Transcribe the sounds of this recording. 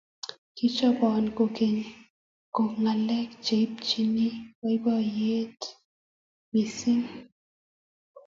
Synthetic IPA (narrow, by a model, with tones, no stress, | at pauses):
ki˦t͡ʃɔ˦bɔ˨nko˨ke˨ɲ | ko˨ŋa˨lɛ˦kt͡ʃe˨p̚t͡ʃi˦ni˦wa˦bɔ˦je˦t | mi˨si˦ŋ